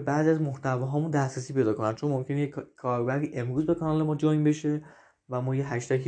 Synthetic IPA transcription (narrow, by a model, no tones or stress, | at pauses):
bæɾziæzmoht̪ʰævɒːɦɒːmund̪æsɾæsiːpe̞jd̪ɒːkonænd̪̚t͡ʃʰo̞nmomcʰe̞nejekʰːɒːɾbæɾd̪iːʔe̞mɾuːzbe̞kʰɒnɒːle̞mɒːd͡ʒojbe̞ʃe̞ | væmɒːjeɦæʃt̪ækʰi